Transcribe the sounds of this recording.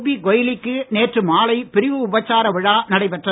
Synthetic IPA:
biɡɔjɪlɪkːɯneːʈrɯmaːlɐɪpɪɾɪʋɯʊbɐt͡ʃːaːɾɐʋɪɻaːnɐɽɐɪpɛʈrɐ

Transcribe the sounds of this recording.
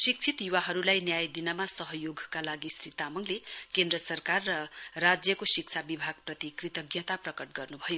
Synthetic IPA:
sik̚t͡sʰit̪juwaɦʌɾulajnjajd̪inʌmasʌɦʌjoɡʱkalaɡisrit̪amʌŋlekend̪rʌsʌrkarːʌrad͡zjʌkosik̚t͡sʰabibʱaɡ̚prʌt̪ikrit̪ʌɡjʌt̪aprʌkʌʈ̚ɡʌrnubʱʌjo

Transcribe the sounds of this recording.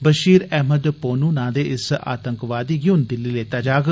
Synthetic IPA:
bəʃiːɾɛːməd̪poːnũːnãːd̪eːʔɪsa̰ːt̪əŋkʋaːd̪iːɡɪʊnd̪ɪlːiːleːt̪aːd͡ʒaːɡ

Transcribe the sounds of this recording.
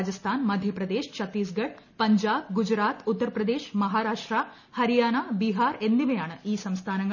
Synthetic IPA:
d͡ʒɐst̪ʰaːnmɐd̪ʱjɐpɾɐd̪eːʃt͡ʃʰɐt̪ːiːs̬ɡɐʈ̚ | pɐɲd͡ʒaːbɡud͡ʒɾaːt̪ut̪ːɐɾɐpɾɐd̪eːʃmɐɦaːɾaːʂʈɾaː | hɐɾijaːnaːbiɦaːɾend̪iʋejaːɳɨiːsɐmst̪ʰaːnɐŋɡ

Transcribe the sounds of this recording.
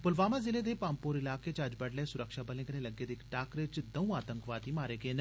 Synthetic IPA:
pʊlʋaːmazɪled̪epaːmpoːɾɪlaːket͡ʃɐd͡ʒbɐɽleːsʊɾəkʃabəlẽːkənẽlɐɡːed̪eːkʈaːkɾet͡ʃd̪ɐũaːt̪ə̃ŋkʋaːt̪imaːɾeːɡeːn

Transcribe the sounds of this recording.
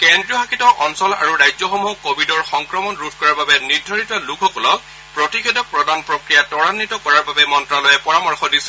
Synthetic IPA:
kendɹiɔxakʰitɔʔɔnsɔla̰ɹuɹajzɔxɔmuɦɔkobʱidɔɹxɔŋkɹɔmɔnɹutʰkɔɹaɹbabɛniɹdʱɔɹitɔlukʰɔkɔlɔk | pɹotixedɔk̚pɹɔdanpɹokɹijatɔɹanːitɔkɔɹaɹbabɛmɔntɹalojɛpɔɹamɔɹxɔdisɛ

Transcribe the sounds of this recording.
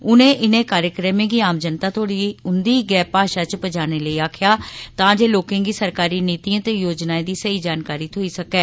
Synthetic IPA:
ʊnẽːʔɪnẽːkaːɾjəkɾəmẽɡiːaːmd͡ʒənt̪aːt̪ʰoːɽiːʊnd̪iːɡɛːpaːʃaːt͡ʃpəd͡ʒaːneːləiːaːkʰjaːt̪ãːd͡ʒeːloːkẽːɡiːsəɾkaːɾiːniːt̪iːãːt̪eːjoːd͡ʒnaːẽd̪iːsəiːd͡ʒaːnkaːɾiːt̪ʰoːiːsəkɛː

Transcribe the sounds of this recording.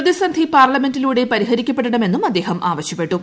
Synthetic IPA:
ðisɐnd̪ʱipaːrlɐme̞ndiluːɽe̞pɐɾiɦɐɾikʲːɐpːe̞ɽɐɳɐme̞nːumɐd̪ːe̞ːɦɐmʔaːʋɐɕjɐpːe̞ʈːu

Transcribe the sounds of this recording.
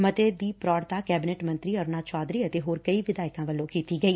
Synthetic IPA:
mət̪eːd̪iːpɾɔːɽt̪aːkɛːbɪneʈmə̃nt̪ɾiːəɾnaːd̪t͡ʃaːd̪ɾiːət̪eɦoːɾkəiʋɪd̪aːɪkãːʋəlːõːkiːt̪iːɡəiː

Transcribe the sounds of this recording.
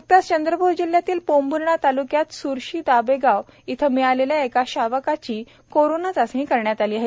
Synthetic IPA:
mək̚t̪ast͡ɕənd̪ɾəbʱuɾd͡ʑiljat̪iːlpombʱunɳat̪alukjat̪suɾɕiːd̪abeɡaʋ | it̪ʰəmiɭaleljaekaɕaʋəkat͡ɕiː | koɾonat͡sasĩkəɾɳjat̪aliːaɦe

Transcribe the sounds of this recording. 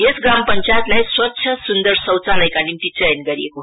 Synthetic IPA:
esɡrampʌnt͡sat̪lajswʌtːɕʰjʌsund̪ʌɾsʌwt͡saləjkanimt̪it͡sʌjʌnɡʌɾieko

